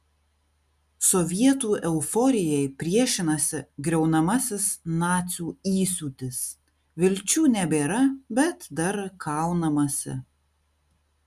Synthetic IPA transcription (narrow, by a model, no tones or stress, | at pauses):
sɔʋʲiɛt̪uːʔɛʊfɔɾʲɪjɛɪpʲɾʲiɛʃʲɪnɐsʲɪɡɾʲɛʊnɐmɐsʲɪsnɑːt̪sʲuːiːsʲuːt̪ʲɪs | ʋʲɪlʲt͡ʃʲuːnʲɛbʲeːɾɐbʲɛt̪d̪ɐɾkʰɑˑʊnɐmɐsʲɪ̰